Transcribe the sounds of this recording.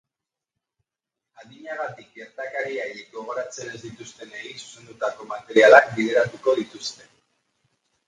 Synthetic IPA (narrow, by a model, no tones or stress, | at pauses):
aðiɲaɣat̪ik̚beɾt̪akaɾiajekɡo̞ɣ̞o̞ɾat͡se̞ne̞zd̪it̪ust̪e̞neɣisu̥se̞nd̪ut̪ako̞mat̪e̞ɾialak̚bið̞e̞ɾat̪uko̞ðit̪ust̪e̞